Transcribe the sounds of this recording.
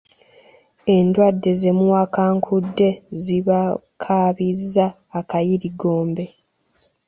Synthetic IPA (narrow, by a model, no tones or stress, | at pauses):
e̞ndwadːe̞ze̞muwakaːŋkʰudːe̞ziβakʰaβizːaː | kajiɾiɡo̞ːmbe̞